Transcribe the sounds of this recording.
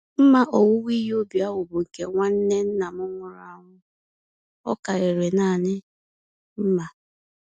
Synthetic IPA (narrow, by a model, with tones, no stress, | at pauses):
m̩˦ma˦ʔo˨wʊ˦wi˦ji˦o˦bi˨a˦wʊ˨bʊ˨ŋ̩˨ke˦˨ŋʷa˦n̩˦ne˦n̩˦na˨mʊ˦ŋʷʊ˨ɾa˨˦˨ŋʷʊ˦ | ɔ̰˦ka˨ɾɪ˨ɾe˨na˦˨nɪ˦ | m̩˦ma˨